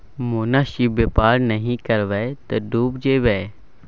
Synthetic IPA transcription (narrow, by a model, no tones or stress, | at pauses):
moːnaːʃibepaːɾnɐɦĩkɐɾʋɛt̪ɐɖuːbd͡ʒeːʋɛ